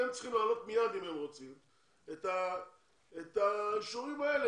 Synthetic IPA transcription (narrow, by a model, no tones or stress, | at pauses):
emt͡sχimlaːlo̞t̪mijad̪imemʁot͡sim | et̪a | et̪aʃoʁimbaele